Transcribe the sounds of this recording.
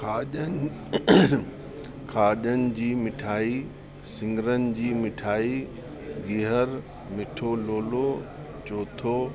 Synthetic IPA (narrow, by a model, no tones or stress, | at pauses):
kʰaːʄən | kʰaːʄənɪ̆d͡ʑiːmɪʈʰaːi | sɪ̃ŋɡəɾənɪ̆d͡ʑiːmɪʈʰaːi | ɡiɦəɾ | mɪʈʰoloːlo | t͡ɕoːt̪ʰo